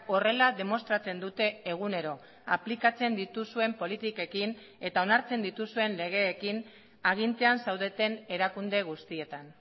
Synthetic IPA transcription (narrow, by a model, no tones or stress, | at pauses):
o̞re̞laðe̞mo̞st̪ɾat͡se̞nd̪ut̪e̞ːɣ̞une̞ɾo̞ | aplikat͡se̞nd̪it̪usue̞mpo̞lit̪ike̞kin | e̞t̪ao̞naɾt͡se̞nd̪it̪usue̞nle̞ɣ̞e̞ːkin | aɣ̞int̪e̞ansawðe̞t̪e̞ne̞ɾakund̪e̞ɣ̞ust̪ie̞t̪an